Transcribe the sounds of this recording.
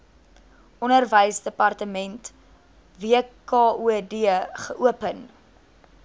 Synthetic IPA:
ɔnərvəjsdəpɐrtəmɛnt | viəkɑːuədiəχəʔuəpən

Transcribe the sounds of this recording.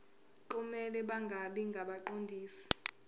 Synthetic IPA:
ǃumɛlɛɓaŋɡʱaɓiŋɡʱaɓaǃondʱiːsi̥

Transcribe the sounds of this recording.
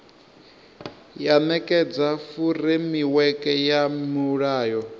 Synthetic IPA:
janɛkʼɛd͡zafurimiwɛkʼɛjamuɺaːjɔ

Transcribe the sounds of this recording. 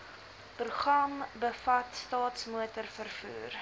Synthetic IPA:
pruχrɐmbəfɐtstɑːtsmuətərfərfṵːr

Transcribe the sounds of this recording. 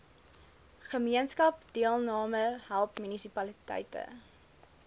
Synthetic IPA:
χəmiənskɐp̚d̥iəlˠnɑːməɦælˠpmynisipɐlitɛ̰jtə̰

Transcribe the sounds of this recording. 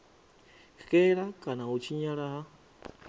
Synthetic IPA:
hkeɾakanãut͡ʃiɲãɾaha

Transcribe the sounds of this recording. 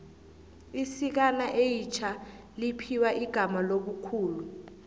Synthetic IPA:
isik̬anaʔejit͡ʃʰa | lipʰiwaʔiɡ̥ʱamaloɓukʰuːlu

